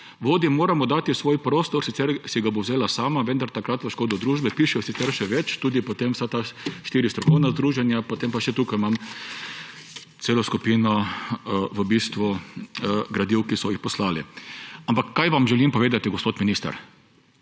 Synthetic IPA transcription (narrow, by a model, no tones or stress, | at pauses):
ʋoːd̪imoːɾamɔd̪aːt̪isʋoːjpɾoːst̪ɔɾsit̪sɛɾsiɡabowzeːlasaːmaʋə̃nd̪aɾt̪akɾat̪ʋəʃkoːd̪ɔd̪ɾuːʒbɛpiːʃɛjɔsit̪ɛɾʃɛʋɛt͡ʃt̪uːd̪ipɔt̪emwsat̪aʃt̪iːɾist̪ɾɔkɔwnazd̪ɾuːʒɛnjapot̪empaʃɛt̪uːkajmam | t̪seːlɔskupiːnɔ | ʋəbiːst̪ʋu | ɡɾad̪iwkisɔjixpɔslaːlḭampakːajʋamʒɛlimpɔʋeːd̪at̪iɡɔspoːt̪minist̪a̰ɾ